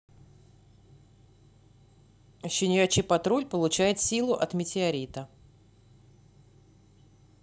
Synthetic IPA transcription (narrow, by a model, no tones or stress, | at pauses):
ɕɪnʲjat͡ɕɪpɐt̪ɾulʲpəlˠʊt͡ɕæjɪt̪sʲilˠʊʔɐt̪mʲɪtʲɪɐɾʲit̪ə